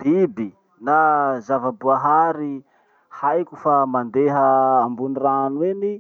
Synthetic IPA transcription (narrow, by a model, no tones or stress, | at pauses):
b̥ibi | nazavabuaɦaɾi | hajkʲufamand̪eɦəːmbuniranuweni